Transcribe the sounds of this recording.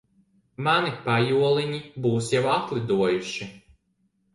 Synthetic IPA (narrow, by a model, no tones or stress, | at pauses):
manɪpajuɔlˠɪnʲibuwsjɛwat̪lʲˠɪd̪uɔjʊʃʲɪ